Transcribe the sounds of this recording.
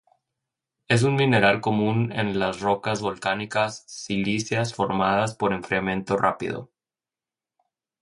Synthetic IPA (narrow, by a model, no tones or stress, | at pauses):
e̞s̬unmĩne̞ɾalko̞mũnḛnlasro̞kazβo̞lkanikasːilisjasfo̞ɾmað̞aspo̞ɾe̞ɱfɾiamẽ̞nt̪o̞rʔa̰pḭðo̞̰